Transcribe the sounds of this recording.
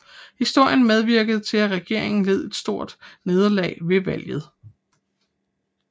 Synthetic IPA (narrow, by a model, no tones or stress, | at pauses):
hisd̥o̝ɐ̰jənmeð̞ˠʋiɐ̰ɡ̥əð̞̩ˠt͡sʰe̝læʁɛɡ̥e̝ɐ̰e̝ŋn̩le̝ð̞̰ˠe̝d̥sd̥o̝ɐ̰d̥ne̝ːð̞ˠɐlɛ̰ːʋe̝ʋæl̰jð̩ˠ